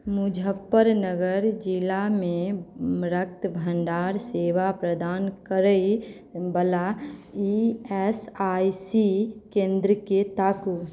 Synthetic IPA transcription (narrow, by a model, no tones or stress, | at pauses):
mud͡ʒʱəpːəɾnəɡəɾd͡ʒilamẽɾək̚t̪bʱə̃ɳɖaːɾseːʋapɾəd̪aːnkəɾəi | bəlaiɛsaisikẽːnd̪ɾəket̪aːkuːs